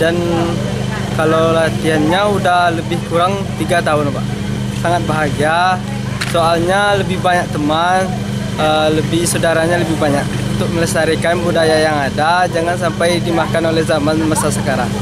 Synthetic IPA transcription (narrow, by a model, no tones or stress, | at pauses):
dan | kalawlant̪ianɲaudahləbɪhkuɾaŋt̪iɡat̪aʊnpa̰ʔ | saŋat̪̚baɦaɡia | soalɲaləbɪhbaɲak̚t̪əman | ələbɪhsədaɾaɲaləbɪhbaɲak̚uunt̪ʊk̚mələsaɾikanbudajajaŋadad͡ʒaŋansampajdimakanolɛhzamanmasasəkaɾaŋ